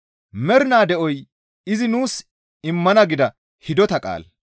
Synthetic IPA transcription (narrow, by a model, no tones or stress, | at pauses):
mɛɾnaːd̪ɛʔɔj | ɪzɪnuːs | ɪmːɐnɐɡɪd̪ɐ | hɪd̪ɔt̪ɐkʼa̰ːl